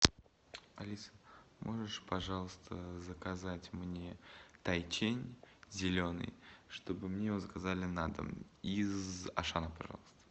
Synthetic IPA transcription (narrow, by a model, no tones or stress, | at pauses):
ɐlʲisə̥mʔo̞ʐɨʂpɐʐɑlˠəst̪ʰəzəkazatʲmnʲe̞t̪ɐjt͡ɕenʲzʲɪlʲo̞nɨ̰jʂt̪o̞bɨmnʲejvozəkazalʲɪnad̪ə̰izɐ̰ʂanəpɐʐɑ̰lˠəst̪ə̥